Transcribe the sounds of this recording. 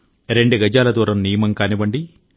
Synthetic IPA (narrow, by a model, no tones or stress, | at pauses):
ɾeɳɖuɡɐd͡ʒaːlɐd̪uːɾɐmniːjmɐŋkaːnibɐɳɖi